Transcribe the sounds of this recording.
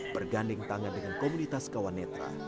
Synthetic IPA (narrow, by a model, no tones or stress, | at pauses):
b̥ərɡanlɪŋt̪aŋandəŋankomunit̪askawanɛt̪ɾa̰